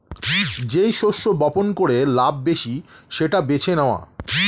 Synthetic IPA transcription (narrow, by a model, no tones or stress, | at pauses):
d͡ʑejʃoʃːobɔponkoɾelabːeʃiʃeʈabet͡ɕʰeneoa̰